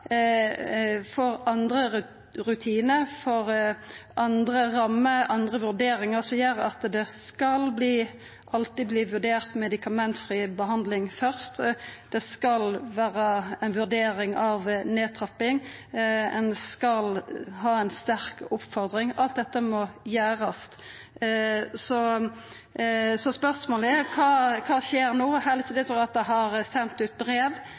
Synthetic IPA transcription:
fɔɾɑnd̪ɾə | ɾʉt̪ʰiːnəfɔʁʔɑnd̪ɾəʁɑmːəʔɑnd̪ʁəʋʉʁd̪eːɾɪŋəʁsɔjœɾɑ̰t̪d̪ɛskɑlbliː | ʔɑlt̪ɪbliːʋʉʁɖ̪eːʁt̪mɛd̪ɪkɑmɛnt̪fɾiːbəɦɑnd̪lɪŋfœʁst̪d̪̥ɛskɑlʋæːɾəɛnʋʉʁd̪eːɾɪŋɑʋneːt̪ʰʁɑpːɪŋ | ɛnskɑlɦɑːɛɪnst̪æɾkʊpfɔʁd̪ɾɪŋɑlt̪̚d̪ɛt̪ːəmɔjæːʁɑs | sɔ | sɔspœʁsmoːlkʰɑːkʰɑːʃeːɾnoːhæːʁlɪt̪iːd̪ɛt̪ɾuɑt̪̚d̪ɛɦɑʁsɛnt̪ʉːt̪̚bɾeːʋ

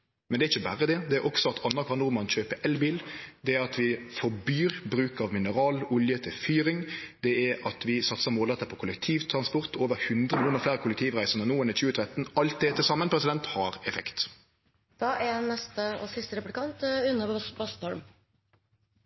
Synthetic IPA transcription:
mɛnd̪ɛæɾɪçəbæɾəd̪ɛd̪ɛæɾʔɔksɔɑt̪ʰɑnːɑkʰʋɑʁnʊʁmɑnçøːpəʔɛlbiːld̪ɛæɾɑt̪ʰʋɪfɔbyːɾbɾʉːkɑʋmɪnəɾɑːlʊljət̪ʰɪlfyːɾɪŋd̪ɛæɾɑt̪ʋɪsɑt̪səmoːlɛt̪ːəpʰɔkʰʊlɛk̚t̪ʰiːʋt̪ʰɾɑnspɔʁt̪ʰoːʋəɾhʉnd̪ʁəmɪluːnəɾflæːɾəkʰʊlɛkt̪ʰiːʋʁæɪsəʁnənuːɛnəçʉːət̪ʰɾɛt̪nɑlt̪̚d̪ɛt̪ʰɪlsɑmːənpʰɾɛsɪd̪ɛnt̪hɑɾɛfɛkt̪ | d̪̥ɑːɛnɛst̪əɔsɪst̪əɾɛplɪkʰɑnt̪ʉnːəpbɑst̪ɔɾm

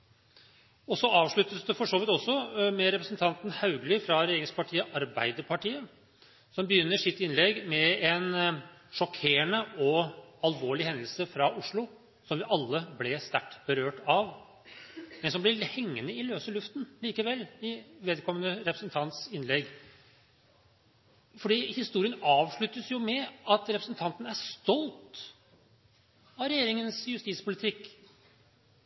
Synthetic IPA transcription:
ɔsɔɑːʋʂɭʉt̪ːəsd̪ɛfɔʂoːʋɪt̪ɔsːɔmɛɾɛpɾəsnt̪ʰɑnt̪n̩hɑʉɡlɪfɾɑɾɛjeːɾɪŋspʰɑʈʰiːəʔɑɾbæ̰ɪd̪əɾpʰɑʈiːə | sɔmbəjʏnːəʂɪt̪ːɪnlɛɡmɛɛn | ʂɔkʰeːəɳəʔɔɑlʋoːɭɪhɛnd̪lsəfɾɑʔʊʂɭʊ | sɔmʋɪʔɑlːəblɛst̪æʈːb̥əɾøːʈɑʋ | mɛnsɔmblɪhɛŋːənəɪløːsəlʉft̪n̩liːkəʋɛlːɪʋeːd̪kʰɔmːənəɾɛpɾəsənt̪ʰɑnt̪sɪnlɛɡ | fɔɖiːhɪst̪uːɾɪənɑːʋʂɭʉt̪ːəsjʊmɛɑt̪ɾɛpɾəsnt̪ʰɑnt̪ən̩æʂt̪ɔlt̪ | ɑʋɾɛjeːɾɪŋənsjʉst̪iːtspʰʊlɪt̪ʰɪkː

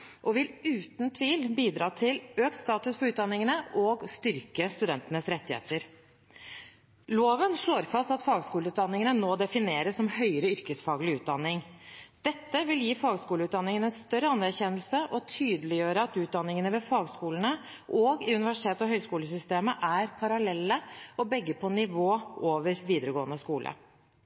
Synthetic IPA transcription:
ʔɔʋɪlʉːt̪nt̪ʰʋiːlbiːd̪ɾɑːt̪ʰɪløːkt̪st̪ɑːt̪ʉspɔʉːt̪̚d̪ɑnːɪŋənəʔɔɡst̪ʏɾkəst̪ʉd̪ɛnt̪ənəsɾɛt̪ːɪhḛːt̪əɾ | loːʋənʂɭoːɾfɑst̪ɑt̪fɑːɡskuːləʉːt̪d̪ɑnːɪŋənənoːd̪ɛfɪneːɾəsːɔmhœʏɾəʏɾkəsfɑːɡəlɪʉːt̪̚d̪ɑnːɪŋd̪̥ɛt̪ːəʋɪljiːfɑːɡskuːləʉt̪̚d̪ɑnːɪŋənɛnst̪œɾəɑnːæɾçɛnːəlsəʔɔt̪ʰyːd̪əlɪjøːɾəɑt̪ʉːt̪̚d̪ɑnːɪŋənəʋɛfɑːɡskuːlən̩ə | ʔɔɡɪʉnɪʋæʂɪ̥t̪ʰeːt̪ɔɦœʏskuːləsʏst̪eːməʔæɾpʰɑɾɑlɛlːəɔbɛɡːəpʰɔnɪʋoːoːʋəɾʋiːd̪əɾəɡoːənəskuːlʔə̰

